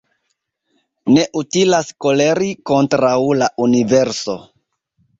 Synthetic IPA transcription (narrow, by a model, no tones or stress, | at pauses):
ne̞ʔutilasko̞le̞ɾiko̞ntɾawlaʔunive̞ɾso̞̰